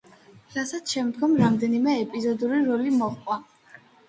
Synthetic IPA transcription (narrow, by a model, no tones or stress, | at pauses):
ɾasat̪sʰʃɛmd̪ɡɔmɾamd̪ɛnimɛːpʼizɔd̪uɾiɾɔlimɔχqʼwa